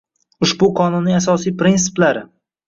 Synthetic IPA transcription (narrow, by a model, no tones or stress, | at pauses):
ʊʃbʊqʰɒnʊnːɪŋasɒsijpɾinsɪ̥plaɾɪ